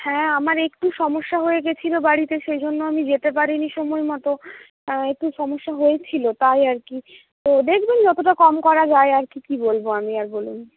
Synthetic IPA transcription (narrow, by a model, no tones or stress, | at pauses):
hɛ̃amaɾekʈuʃɔmoʃːaɦojeɡet͡ɕʰilobaɽit̪eʃejd͡ʑʱonːoamid͡ʑet̪epaɾiniʃomolmɔt̪o | ek̚ʈuʃɔmoʃːaɦojet͡ɕʰilot̪ajaɾki | t̪od̪ekʰbend͡ʑɔt̪oʈakɔmkɔɾad͡ʑaeaɾkikibolboamiaɾbolun